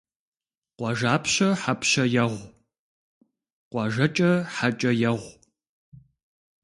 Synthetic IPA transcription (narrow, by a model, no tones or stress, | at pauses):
qʷɑʒaːpʰɕɐħapʰɕɐjɛʁʷ | qʷɑʒɐt͡ʃʼɐħat͡ʃʼɐjɛʁʷ